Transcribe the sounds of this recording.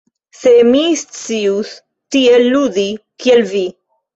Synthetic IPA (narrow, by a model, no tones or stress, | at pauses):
semist͡sius | t̪ielːuðikielvi